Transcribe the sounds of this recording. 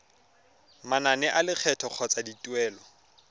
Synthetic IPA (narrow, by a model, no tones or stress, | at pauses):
mananɛʔalɪk͡xʰɛtʰɔq͡χʰɔt͡sʼaditʼwɛːlɔ